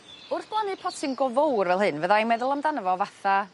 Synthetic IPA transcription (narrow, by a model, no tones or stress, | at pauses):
ʊrθb̥lˠanɨpʰɔtʰɪŋɡɔvowrvɛlˠɦɨnvəðajmɛðʊlˠamdanəvɔvaθa